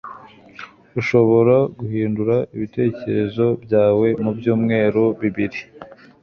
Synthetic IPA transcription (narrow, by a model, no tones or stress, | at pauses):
uʃo̞βo̞ɾaɡuhiːnduɾaiβite̞ːce̞ɾe̞zo̞bjaːwe̞mubjuːmŋe̞ːɾoβiβiɾi